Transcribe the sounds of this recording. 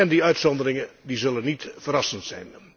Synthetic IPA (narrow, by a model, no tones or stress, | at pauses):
ɛndiœɥtsɔndərɪŋədizɵlənːitfəɾɑsəntsɛ̰jn